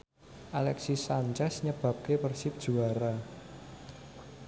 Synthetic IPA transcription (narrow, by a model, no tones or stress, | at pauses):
ʔalɛksisaɲt͡ʃɛsɲəb̥ä̤p̚kepərsɪp̚d̥ʒ̥uaɾa